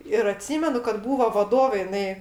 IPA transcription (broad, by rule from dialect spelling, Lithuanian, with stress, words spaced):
ɪr ɐˈtʲsʲiːmʲɛnʊ kɐt ˈbuːʋoː ʋɐˈdoːʋʲeː jɪˈnɐɪ